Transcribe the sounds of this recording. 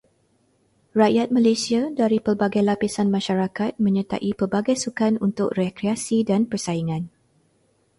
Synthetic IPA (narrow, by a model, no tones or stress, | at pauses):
raʔjat̪̚malajsiadaɾipərbaɡajlapisanmãʃaɾakat̪̚mə̃ɲə̃t̪a̰ʔipərbaɡajsukanunt̪ʊk̚rekɾeasidanpərsaiŋãn